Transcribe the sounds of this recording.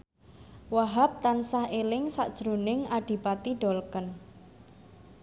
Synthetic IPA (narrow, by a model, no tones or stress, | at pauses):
waɦap̚t̪ansahelɪŋsa̰ʔd̥ʒ̥ɾunɪŋaɖ̥i̤pat̪iɖ̥ɔ̤lkən